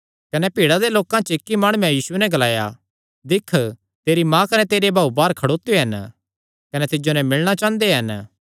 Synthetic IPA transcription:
kɐnɛpiːɽad̪eloːkãt͡ʃəɪkːimaːɽ̃ʊːɛ̃jiːsʊenɛɡɐlaːja̰ | d̪ɪkʰ | t̪eːɾimãkɐnɛt̪eːɾebʱaːubaːɾkʰɐɽoːt̪ːjɦɐn | kɐnɛt̪ɪd͡ʒonɛmɪlɽ̃at͡ʃãːnd̪eɦɐn

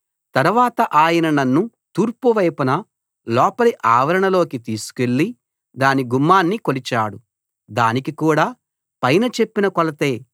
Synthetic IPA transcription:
t̪ɐɾuʋaːt̪ɐʔaːjɐnɐnɐnːu | t̪uːɾpuʋɐjpɐnɐ | lɔːpɐliʔaːʋɐɾɐɳɐlo̞ːkit̪iːsu̥ke̞ɭːi | d̪aːniɡumːaːnːiko̞lit͡ʃaːɽu | d̪aːnikikuːɽaː | pɐjnɐt͡ʃe̞pːinɐkɔlɐt̪e̞ː

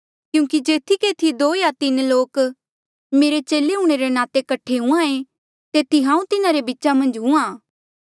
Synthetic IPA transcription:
kjũːkid͡ʒeːt̪ʰikeːt̪ʰid̪oːjat̪ɪnloːk | meːɾet͡ʃeːleɦũːɽ̃eɾenaːt̪ekɐʈʰeɦũãẽ | t̪eːt̪ʰiɦãːũt̪ɪnaɾebɪːʃamɐ̃nd͡ʒɦũãː

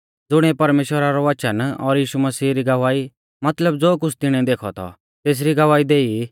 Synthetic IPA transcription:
d͡zʊɽ̃ɛpɐɾmeːʃwəɾaɾɔʋɐt͡ʃənɔɾjiːʃuməsiːɾiɡɐʋaːi | mɐt̪ləbd͡zoːk̬ʊt͡sʰt̪ɪɽ̃ɛ̃d̪eːkʰɔ̰t̪ʰɔ̰ | t̪eːs̬ɾiɡɐʋaːid̪eːi

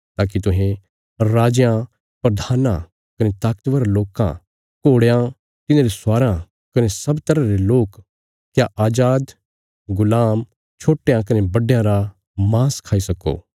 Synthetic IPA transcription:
t̪aːk̬it̪ʊɦẽ | ɾaːd͡ʒjã | pɾɐd̪ʱaːnã̰ | kɐnet̪aːkt̪ʋəɾaloːkã̰ | koːɽejã | t̪ɪnãːɾesʊaːɾã | kɐnesɐbt̪ɐɾaɾeloːk | kjaʔaːd͡ʒaːd̪ | ɡʊlaːm | t͡ʃʰoːʈjãkɐnebɐɖjãɾa | mãːskʰaːisɐko̰ː

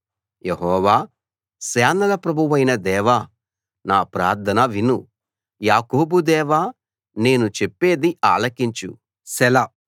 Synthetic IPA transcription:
jeɦɔːʋaː | sɛːnɐlɐpɾɐbʱuʋɐjnɐd̪ɛːʋa | naːpɾaːɾd̪ʰʱɐnɐʋinu | jaːkoːbud̪ɛːʋaː | ne̞ːnut͡ʃepːe̞ːd̪iʔaːlɐkiɲt͡ʃṵ | sɛlɐ

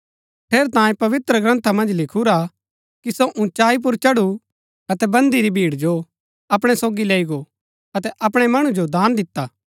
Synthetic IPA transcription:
ʈʰeːɾt̪ãːjẽpɐʋɪt̪ɾəɡɾɐ̃nt̪ʰamɐ̃nd͡ʒlɪkʰuɾa | kisoʔʊ̃t͡ʃaːip̬ʊɾt͡ʃɐɽu | ɐt̪ɛbɐ̃nd̪iɾibʱiːɽd͡ʒo | ɐpɽ̃ɛsoːɡileːiɡo | ɐt̪ɛʔɐpɽ̃ɛmɐɽ̃ud͡ʒod̪aːnd̪ɪt̪ːaː

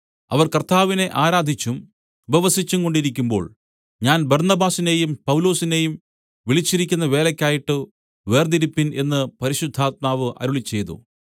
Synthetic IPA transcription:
ɐ̰ʋɐrkɐrt̪ʰaːʋine̞ʔaːɾaːd̪ʱit͡ɕːum | ʋeʋɐsit͡ɕːuŋko̞ɳɖiɾik̬ʲːumbo̞̰ːɭ | ɲaːnbɐrnɐbaːsine̞jumpɐwlo̞ːsine̞jum | ʋiɭit͡ɕːiɾikʲːunːɐʋe̞ːlɐkʲːaːjiʈːɨ | ʋe̞ːrd̪iɾipːine̞nːɨpɐɾiɕud̪ʱːaːt̪̚maːʋɨʔɐ̰ɾuɭit͡ɕːe̞jt̪ṵ

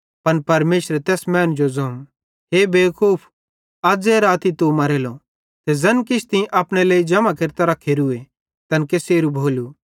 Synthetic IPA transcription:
pɐnpɐɾmeːʃɾet̪ɛːsmɛːnd͡ʒozõːm | ɦeːbeːkʰuːpʰ | ɐd͡zeːɾaːt̪it̪omɐɾeːlo | t̪ezɐnkɪt͡ʃʰt̪ɪ̃ĩʔɐpɽ̃eleːid͡ʒɐmãkɪɾt̪aɾɐkʰːeɾue | t̪ɐnkeseːɾubʱoːlu

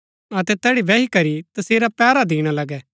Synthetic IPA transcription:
ɐt̪ɛt̪ɛːɽiʋɛːikɐɾit̪ɐseːɾapɛːɾad̪iːɽ̃alɐɡɛː

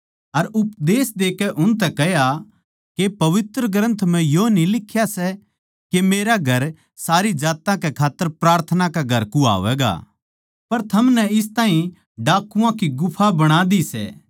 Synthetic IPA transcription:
ɐɾʊpd̪eːsd̪eːkɛʔʊnt̪̬ɛkɛɦja | kepɐʋɪt̪ɾəɡɾə̃nt̪ʰm̤ɛ̃jonilɪkʰːjasɛ | kemeːɾaɡʱɐɾ | saːɾid͡ʒaːt̪ãkɛkʰaːt̪ːəɾpɾaːɾt̪ʰənakaɡʱɐɾkua̰ːʋɛ̰ːɡa̰ː | pɐɾt̪ʰɐmnɛɪst̪aːɦĩ | ɖaːkːuãkiɡʊpʰabɐɽ̃aːd̪isɛ̰ː

